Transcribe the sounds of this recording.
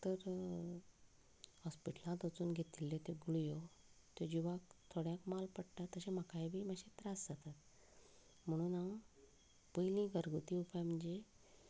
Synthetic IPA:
t̪əɾ | hɔspiʈəlãt̪ət͡suːnɡʱet̪ilːet̪eɡuɭjo | t̪ed͡ʑiʋak̚t̪ʰoɽjãkmalpəɽʈat̪əɕemakajbʱiːmaɕet̪ɾasd͡zat̪at̪̚ | m̤əɽ̃uːna | pəjlĩɡəɾɡut̪ĩupajm̤əɳd͡ze

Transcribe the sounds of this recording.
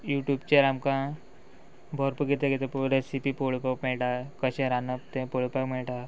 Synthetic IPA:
juːʈjuːbt͡ɕeɾamkã | bʱɔɾpuɡit̪eket̪epuɾesipipoɭpakmeɭʈakəɕẽɾanəpt̪ẽpoɭpakmeɭʈa

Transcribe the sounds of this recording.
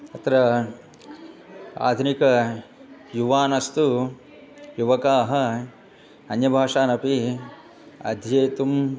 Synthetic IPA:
ɐt̪ɾɐ | a̰ːd̪ʱunikɐ | juʋaːnɐst̪u | juʋɐkaːɦɐ | ɐnjɐbʱaːʂaːnɐpi | ɐ̰d̪ʱjeːt̪um

